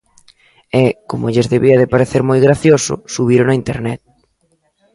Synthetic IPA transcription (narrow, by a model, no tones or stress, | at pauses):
ekomʊeʎezðeβiɐðepaɾeθeɾmojɣɾaθjosʊ̰suβ̞iɾʊnaint̪eɾnɛt̪̚